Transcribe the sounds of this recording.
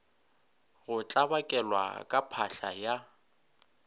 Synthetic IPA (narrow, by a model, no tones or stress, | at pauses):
ɣʊt͡ɬʼabakʼɛlwa̰kʼapʰaɬaja